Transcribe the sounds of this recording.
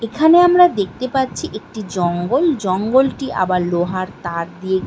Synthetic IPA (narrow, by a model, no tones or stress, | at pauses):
ekʰaneamɾad̪ek̚ʰt̪epaɾt͡ɕʰiʔek̚ʈid͡ʑɔŋɡold͡ʑɔŋɡolʈiʔa̰baɾloɦaɾt̪aɾd̪ie